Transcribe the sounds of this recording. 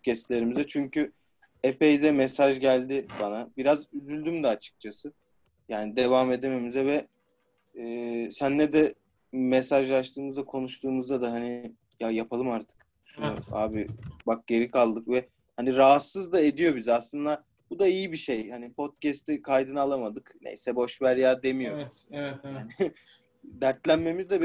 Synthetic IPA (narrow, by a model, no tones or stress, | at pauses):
ot̪̚cɛst̪lʲe̞ɾimizɛt͡ʃʰyɲcy | epe̞jd̪ɛmɛsaʒɟælʲd̪ɪbanabiɾazyzylʲd̪ymd̪ɛat͡ʃʰɯ̥k̚t͡ʃʰasɯ | jaːnid̪evaːme̞d̪eme̞mizɛvɛ | ɛːsænlɛd̪ɛ | mɛsaʒlˠaʃt̪ʰɯːmɯzd̪akʰo̞nuʃt̪ʰuːmuzd̪ad̪aɦanɪ | jajapʰalˠɯmaɾt̪ʰɯ̥k | ʃunṵa̰ːbibak̚ɟe̞ɾikʰalˠd̪ɯkvɛ | haniɾaɦasːɯzd̪ae̞d̪ijo̞bizaslˠɯnd̪a | bud̪aijibiʃe̞jhanipʰo̞t̪̚cɛst̪ʰikʰajd̪ɯnɯalˠamad̪ɯknḛjsɛbo̞ʃvæɾjaːd̪e̞mijo̞ | jaːnɪ | d̪æɾt̪lʲænme̞mizd̪ɛb